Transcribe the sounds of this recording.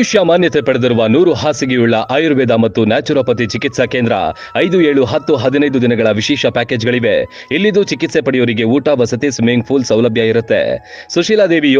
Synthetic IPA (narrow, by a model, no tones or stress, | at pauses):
ʃjamaːnjɐt̪epɐɽed̪iɾuʋɐnuːɾuɦaːsiɡeuɭːɐʔaːjuɾʋeːd̪amɐt̪ːunaːt͡ʃuɾɐpɐt̪̬it͡ʃikit̪sɐkeːnd̪ɾɐ̰ | ɐjd̪ueːɭuɦɐt̪ːuɦɐd̪inɐjd̪ud̪inɐɡɐɭɐʋiʃɛːʃɐpaːke̞ːd͡ʒɡɐɭiʋe̞ | ilːid̪ut͡ʃikit̪sepɐɽijoːɾiɡe̞uːʈaʋɐsɐt̪ismeŋɡ̚pʰuːlsɐwlɐbʱjɐiɾut̪ːḛsuʃiːlaːd̪eːʋi